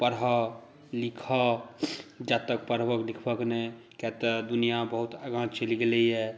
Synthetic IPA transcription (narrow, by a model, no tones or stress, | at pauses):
pəɾɦə | likʰə | d͡ʒat̪əkpəɾbəklikʰbəknɛj | kɛt̪ɔd̪unijabəɦut̪aɡãt͡ʃt͡ʃəliɡelɛjɛ